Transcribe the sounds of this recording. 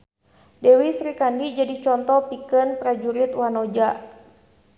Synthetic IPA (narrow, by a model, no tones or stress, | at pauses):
dɛwisɾikandid͡ʒadit͡ʃɔnt̪ɔpikənpɾad͡ʒuɾit̪wanɔd͡ʒaʔ